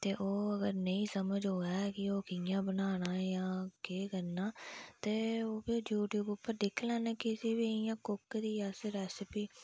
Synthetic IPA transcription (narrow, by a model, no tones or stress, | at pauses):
t̪eːʔoːəɡəɾnəĩːsəməd͡ʒɦoːaːkɪoːkɪjãːbənaːñaːjãːkeːkənːaːt̪eːoːbid͡ʒjuːʈjuːbʊpːəɾd̪ɪkʰlɛ̃ːnɛːkɪsiːbiːɪjãːkʊkːd̪iːasɾɛːsɪpiː